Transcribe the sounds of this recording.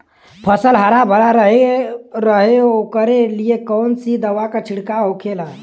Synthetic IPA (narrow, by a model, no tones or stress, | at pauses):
pʰəsəlɦəɾabʱəɾaɾəɦeɾəɦeokəɾelijekɔwnsid̪əwakət͡ʃʰiɽkaɦokʰela